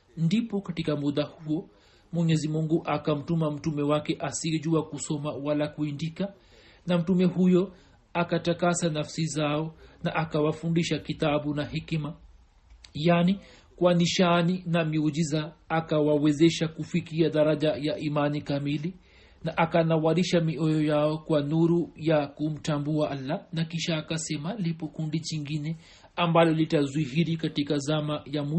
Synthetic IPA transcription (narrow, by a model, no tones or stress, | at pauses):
ndipɔkatikamuɗahuɔ | mwɛɲɛzimuŋɡuʔakam̩tumam̩tumɛwakɛʔasiɛʄuakusɔmawalakuindika | nam̩tumɛhujɔ | akatakasanafsizaɔnaʔakawafundiʃakitaɓunahɛkima | jani | kwaniʃaninamiuʄizaːkawawɛzɛʃakufikiaɗaɾaʄajaʔimanikamili | naʔakanawaɾiʃamiɔjɔjaɔkwanuɾujakum̩tambuaʔalːanakiʃaːkasɛmalipɔkundit͡ʃiŋɡinɛ | ambalɔlitazwihiɾikatikazamajamu